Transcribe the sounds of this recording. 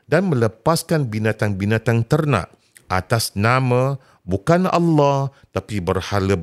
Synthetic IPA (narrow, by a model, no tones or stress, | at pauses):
danmə̃ləpaskanbinãt̪aŋbinãt̪aŋt̪ərnã̰ʔ | ʔa̰t̪asnãmã | bukanɑ̰lːɔht̪apibərhalə